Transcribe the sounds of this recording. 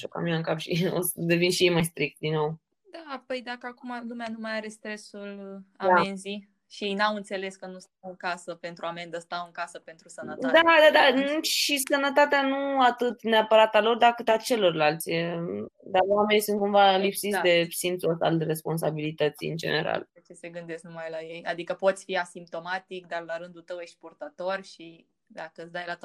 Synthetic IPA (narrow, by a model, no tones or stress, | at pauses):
ʃoka̰minaɨŋkapʃḭo̰sd̪e̞vinʃijejmajst̪ɾik̚t̪̚d̪inːo̞w | d̪apəjd̪akəakumalumeanumajaɾest̪ɾe̞sulaamenzi | ʃijejnawɨnt̪se̞le̞skənust̪awɨŋkasəpe̞nt̪ɾuame̞nd̪əst̪awɨŋkasəpe̞nt̪ɾusənət̪d̪ad̪ad̪aʃisənət̪at̪eanuat̪ɨt̪neapəɾat̪alo̞rd̪akɨt̪at͡ʃe̞lo̞rlalt̪sʲed̪awame̞nisɨnt̪̚kumvalipsit̪sʲd̪e̞sint̪sost̪a̰lre̞spo̞ns̬a̰bilit̪ət̪sḭɨ̰nd͡ʒe̞̰ne̞̰ɾa̰let͡ʃeseɡɨnd̪e̞sknumajlaje̞ja̰d̪ikəpo̞t̪sʲfiasimp̚t̪o̞mat̪ik̚d̪arlaɾɨnd̪ult̪əwjekʃt̪ʲpurt̪at̪o̞rʲʃi | d̪akət̪sd̪ajlat̪